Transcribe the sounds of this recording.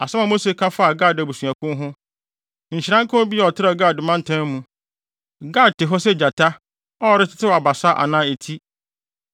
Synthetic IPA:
a˨sɛ˦mã˨mo˦se˦kʰã˦fa˦˨ɡa˦˨dæ˨bu˨sũ˨a˨kʰʊ̃˦ɦʊ̃˦ | ɲ̩˨t͡ɕɪ˨ɾã˦ŋkʰʊ̃˦bi˦a˨ɔ˨tʰɪ˦ɾa˦˨ɡa˦˨dɪ˨mã˦n˦tʰã˦mːũ˨ | ɡa˦˨tɪ˨ɦɔ˦sɛ˦d͡ʑa˨tʰa˦ | ɔ˦ɔ˨ɾɪ˦tʰɪ̥˦tʰɪ˦wa˨ba˨sa˦ʔa̰˨nã˦e˨tʰi˦

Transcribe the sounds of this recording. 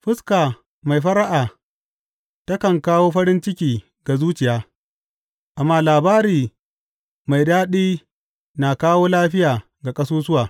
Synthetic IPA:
ɸɪ˦skaː˨ | ma˨jɸɐ˦ɾa˦ʔaː˨ | tɐ˦kɐ˨ŋkaː˦woː˦ɸɐ˦ɾɪ˦nt͡ʃɪ˦kʲiː˨ | ɡa˨zuː˦t͡ʃɪ˨jaː˦ | ʔa˨mːaː˦laː˨baː˦ɾiː˨ | ma˨jdaː˦ɗiː˦ | na˨kaː˦woː˦laː˦ɸɪ˦jaː˨ | ɡa˨kʼɐ˦suː˦sʊ˦waː˨

